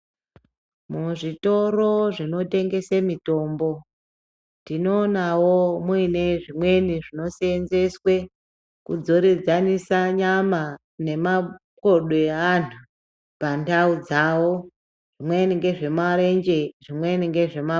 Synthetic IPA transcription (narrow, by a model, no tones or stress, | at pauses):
muʐito̞ro̞ʐino̞te̞ŋɡe̞semito̞ːmbo̞ | ndino̞ːnawomwiine̞ʐimwe̞niʐino̞senze̞swe | kud͡zo̞ɾid͡zanisaɲama | ne̞ma | ko̞ɗeantʰu | pandaud͡zawo̞ | ʐ̥imweniŋɡe̞ʐe̞maɾend͡ʒe̞ʐimwe̞niŋɡe̞ʐe̞ma